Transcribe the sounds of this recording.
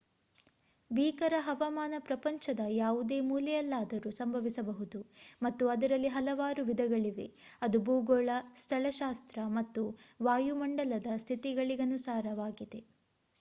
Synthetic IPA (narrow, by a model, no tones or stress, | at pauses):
biːkɐɾɐɦɐʋɐmaːnɐpɾɐpɐɲt͡ʃɐd̪ɐjaːʋud̪e̞ːmuːlɛjɐlːaːd̪ɐɾusɐmbʱɐʋisɐbɐɦud̪umɐt̪ːuɐd̪ɐɾɐlːiɦɐlɐʋaːɾuʋid̪ʱɐɡɐɭiʋe̞̰ɐd̪ubuːɡoːɭɐst̪ʰɐɭɐʃaːst̪ɾɐmɐt̪ːuʋaːjumɐɳɖɐlɐd̪ɐst̪ʰit̪iɡɐɭiɡɐnusaːɾɐʋaːɡid̪e̞